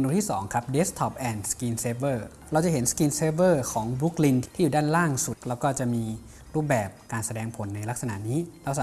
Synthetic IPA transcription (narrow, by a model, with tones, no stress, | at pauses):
nduː˧t̪ʰiː˥˩sɔː˩˦ŋkʰa˦˥p̚deː˦˥st̪ʰɔ˦˩p̚ʔɛː˧˩nskiː˧nseː˦˥bɤː˥˩ | ɾa˧wt͡ɕa˨˩ɦe˩˦nskiː˧nseː˦˧˥bɤː˥˩kʰɔː˩˦ŋbu˦˥k̚li˧nt̪ʰt̪ʰiː˥˩juː˨˩daː˥˩nɾaː˥˩ŋsu˨˩t̪̚lɛː˦˥wkɔː˥˩t͡ɕa˨˩ʔmiː˧ | ɾuː˥˩p̚bɛː˨˩p̚kaː˧nsa˧dɛː˧ŋpʰo˩˦nːa˧jla˦˥k̚sa˧na̰˨˩˨niː˦˥lɛ˧˥wsa˨